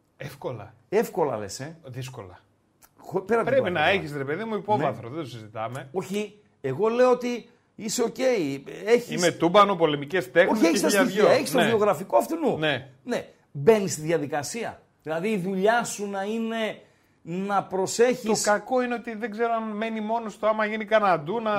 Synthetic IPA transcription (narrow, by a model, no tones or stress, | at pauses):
efko̞lɐ̰ | e̞fko̞lɐ̰lḛseðis̬ko̞̰lɐ̰ | xopeɾɐt̪pɾepinɐeçisɾepe̞ðimuipo̞vɐθɾoðed̪osizit̪ɐme̞o̞çi | eɣo̞le̞oot̪i | ise̞o̞ce̞ieçiismet̪ubɐnopo̞lemicest̪exoçieçst̪ɐɐiʝioɐɐe̞çisoioɣɾɐfikoɐft̪inunene̞ | be̞nist̪iðjɐðikɐsiɐ̰ | ðilɐðiːðuʎɐsunɐine̞ | nɐpɾo̞se̞çiosɐko̞ineot̪iðeɡzeɾo̞anme̞nimo̞nost̪oamɐʝinikɐnɐd̪unɐ